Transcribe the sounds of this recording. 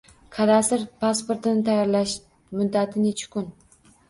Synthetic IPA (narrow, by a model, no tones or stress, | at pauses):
kʰad̪asɪɾpʰaspoɾt̪ʰɪnɪt̪ʰajɒɾlaʃ | mʊd̪ːat̪ʰɪnet͡ʃʰɪ̥kʰʊn